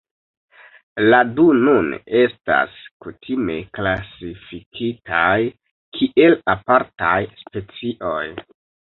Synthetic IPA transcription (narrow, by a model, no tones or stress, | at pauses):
ladunune̞sta̰skutʰime̞̰klasifikʰitʰaj | kʰiʔe̞lapaɾtajspe̞t͡siʔo̞j